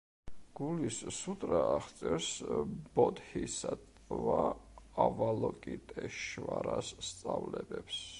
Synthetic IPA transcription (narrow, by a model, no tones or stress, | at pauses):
ɡ̥ulissut̪ʼɾaːχt̪sʼɛɾsbɔt̪hisat̪ʼ | vaː | valɔkʼit̪ʼɛʃvaɾasːt̪sʼavlɛbɛps